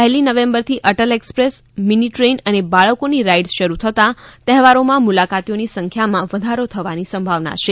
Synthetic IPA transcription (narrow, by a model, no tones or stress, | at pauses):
pɛɦlinəʋẽmbəɾt̪ʰiʔəʈəlekspɾesminiʈɾenənebaɭəkoniɾaiɖsʃəɾut̪ʰət̪ãt̪ɛɦʋaɾomãmulakat̪ionisəŋkʰjamãʋəd̪ʱaɾot̪ʰəʋanisəmbʱaʋna̰t͡ʃʰe